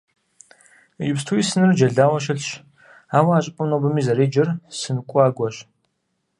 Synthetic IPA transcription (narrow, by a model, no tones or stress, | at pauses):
jɪpstʰuisɨnɨrd͡ʒɐɮaːwɐʃ̬ɐɬʃ | awaaɕʼɪpʼʊmnobɨmizaɾeːd͡ʒɪrsɨnkʷʼaːɡʷɐɕ